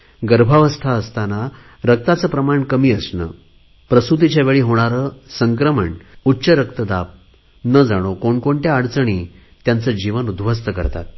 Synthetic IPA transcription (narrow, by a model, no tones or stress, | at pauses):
ɡəɾbʱaʋəst̪ʰaəst̪ana | ɾək̚t̪at͡səːpɾəmaɳkəmiːəsnə̰ | pɾəsut̪̬it͡ɕjaʋeɭiːɦoɽ̃aɾəsəŋkɾəməɳutːɕəɾəkt̪əd̪ap̚ | nəd͡zaɽ̃okoɳkoɳʈ̪jaːɽt͡səɳ̃iː | t̪jant͡səd͡ʑiʋənud̪ʋʱəst̪əkə̰ɾt̪a̰t̪̚